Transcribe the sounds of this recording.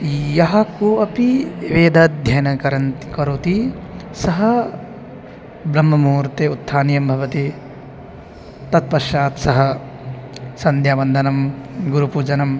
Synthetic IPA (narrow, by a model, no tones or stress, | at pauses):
jɐɦɐ̆kuɐpiʋeːd̪ʱɐd̪ʱjɐjnɐkɐɾɐnkɐɾut̪i | sɐɦɐ | bɾɐmːɐmuːɾt̪eut̪ʰːaːnjɐmbʱɐʋɐt̪i | t̪ɐt̪̚pɐɾʃaːt̪sɐɦɐ | sɐnd̪ʱjaːʋɐnd̪ʱɐnɐmɡuɾupuːd͡ʒɐnɐm